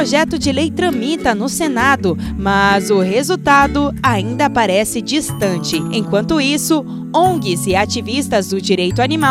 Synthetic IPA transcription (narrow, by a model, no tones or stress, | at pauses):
oʒɛt̪ʊd͡ʒɪlejt̪ɾɐ̃mit̪ɐnʊsenad̪ʊmɐzʊɦezut̪ad̪ʊaĩnd̪ɐpaɾɛsɪd͡ʒist̪ɐ̃nt͡ʃɪḛ̃j̃kwɐ̃nt̪ʊisʊ | õɡɪzɪat͡ʃivist̪ɐzd̪ʊd͡ʒiɾejt̪ʊanimaw